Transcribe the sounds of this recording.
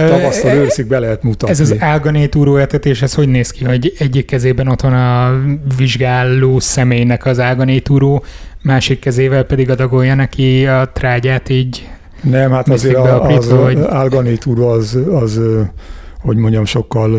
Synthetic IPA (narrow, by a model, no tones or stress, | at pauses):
ɒvɒst̪oløːɾsiɡ̚bɛlɛɦɛt̪mut̪ɒɛzɒzzialɡɒneːt̪uːɾoːeːrt̪ɛt̪eːʃhɛsho̞ɟneːskiɦo̞ɟɛɟːikːɛzeːbɛno̞t̪ʋɒnɒviʒɡaːlːoːsɛmeːjnɛkɒzalɡɒneːt̪uːɾoːmaːʃikːɛzeːvɛlpɛd̪iɡɒd̪ɒɡojːɒnɛkiɒt̪raːɟaːt̪iːɟ | nɛmhat̪ɒseːiɾɡbɛɒialɡɒneːt̪uːɾoɒzɒz | ho̞ɟmo̞ɲɟɒmʃo̞kːɒl